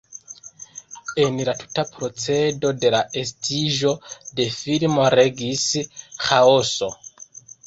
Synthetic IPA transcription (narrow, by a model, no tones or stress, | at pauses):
e̞nlatʰu̥tapɾo̞t͡se̞do̞de̞lae̞stiʒo̞de̞filmo̞ɾe̞ɡisxaoso̞